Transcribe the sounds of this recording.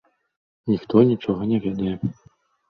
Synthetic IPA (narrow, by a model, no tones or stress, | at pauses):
nʲixt̪ɔnʲit͡ʂɔɣɐnʲɛvʲɛd̪ɐjɛ